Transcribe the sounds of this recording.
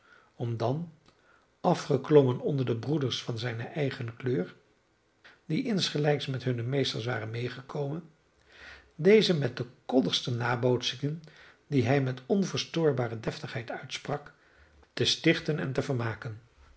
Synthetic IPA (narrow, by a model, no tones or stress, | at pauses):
ɔmdɑn | ɑfχəklɔmənɔndəɹdəbrudəɹsfɑnzɛjnəʔɛjχənkløːɹ | diʔɪnsχəlɛjksmɛtɦɵnəmejstəɹs̬ʋa̰ːrənmejχəkʰowmən | dejzəmɛt̚dəkɔdəχstənaːbowtsɪŋən | diɦɛjmɛtɔnvəːɹstʊːɹbaːrədɛftəχɦɛjtœɥtsprɑk | təstɪχtənɛ̰ntəvəɹmaːkən